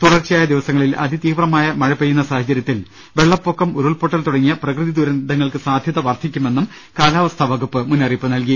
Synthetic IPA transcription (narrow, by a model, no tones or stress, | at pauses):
t̪uɽɐrt͡ɕɐjaːjɐd̪iʋɐsɐŋːɐɭilɐ̰d̪it̪iːʋrɐmaːjɐmɐɻɐpːɐjunːɐsaːhɐt͡ɕɐɾjɐt̪ːil | ʋe̞ɭːɐpːokːɐmuɾuɭpoʈːɐlt̪uɽɐŋːijɐprɐkrɨðid̪uɾɐnd̪ɐŋːɐɭkɨsaːd̪ʱjɐðɐʋɐrt̪ʰːikʲːume̞nːum | kaːlaːʋɐst̪ʰɐʋɐɣupːɨmunːɐripːɨnɐlk̬i